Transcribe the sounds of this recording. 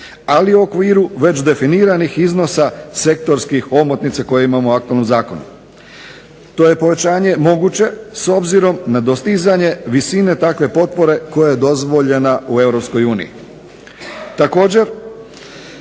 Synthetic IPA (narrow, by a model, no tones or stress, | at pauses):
aliuo̞kʋiːɾuʋe̞t͡ɕd̪e̞finiːɾanixizno̞sase̞k̚t̪o̞ɾskixo̞mot̪nit̪sako̞jeimamoak̚t̪ualnomzaːko̞nṵ | t̪o̞je̞po̞ʋe̞t͡ɕaːɲe̞mo̞ɡut͡ɕe̞so̞bziɾo̞mnad̪o̞st̪izaɲe̞ʋisine̞t̪akʋe̞po̞t̪̚po̞ɾe̞ko̞jajed̪o̞zʋo̞ʎe̞naue̞ʋɾo̞psko̞juːnḭjḭ | t̪ako̞ːd͡ʑe̞ɾ